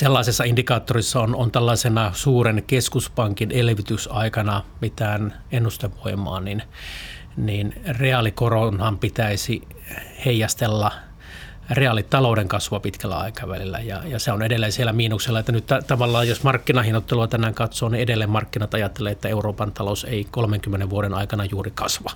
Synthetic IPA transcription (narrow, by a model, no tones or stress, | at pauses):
selːɑisesːɑindikɑːt̪ːorisːɑonont̪ælːɑisenɑsuːrenkeskuspɑŋkinelʋit̪ysɑikɑnɑmit̪æːn | enːust̪eʋʋoimˑɑ̰ːnin | niːnreɑlikoronhɑmpit̪æisi | heijɑst̪elːɑ | reɑlːitt̪ɑloudeŋkɑsʋɑpit̪kælːæ̰ɑ̰ikɑʋæ̰lilːæ̰jɑ̰jɑseonedelːeːnsielːˑæmiːnuksilːɑet̪ːænyt̪t̪æt̪ɑʋɑlːɑːjjosmɑrkːinɑhinot̪ːeluɑt̪ænæːŋkɑt̪soːniedelːeːmmɑrkːinɑt̪ɑjɑt̪ːeleːet̪ːæeuroːpɑnt̪ɑlousḛikolmeŋkymːeneʋʋuoɾenɑikɑnɑjuːrikɑsʋɑ